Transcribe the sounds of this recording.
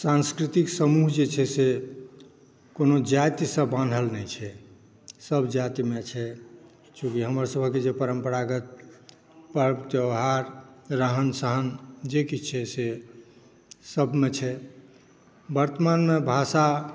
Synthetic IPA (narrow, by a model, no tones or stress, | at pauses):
sãnskɾit̪iksəmuɦd͡ʒet͡ʃʰɛse | konod͡ʒat̪isəbːanɖʱəlnɛjt͡ʃʰɛ | səbʱd͡ʒat̪imet͡ʃʰɛ | t͡ʃũkiɦəmɾasəbʱəkːed͡ʒepəɾəmpəɾaɡət̪̚ | pəɾpt̪jəɦaɾɾəɦənsəɦənd͡ʒekit͡ʃʰɛse | səbʱmet͡ʃʰɛ | bəɾt̪əmanmebʱasa